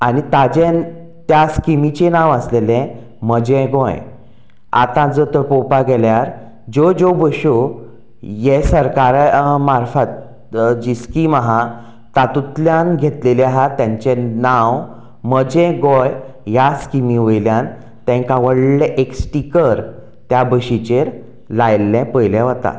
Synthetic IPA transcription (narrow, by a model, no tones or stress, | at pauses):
anit̪ad͡ʑẽn | t̪jaskimit͡ɕenãʋəslelɛ̃ | məd͡ʑɛ̃ɡɔ̃j | a̰t̪ãd͡zət̪əpopaɡɛljaɾ | d͡ʑod͡ʑobəɕo | jesəɾkaɾmaɾfət̪̚ | d͡ʑiskiːmaɦa | t̪at̪ut̪ljanɡʱet̪leljaɦat̪jãɲt͡ɕenaw | məd͡ʑɛ̃ɡɔ̃j | jaskimĩʋəjljãn | t̪ɛ̃kaʋəɽleʔeksʈikəɾ | t̪jabəɕit͡ɕeɾ | lajlːɛ̃pəjljɛ̃ʋət̪a̰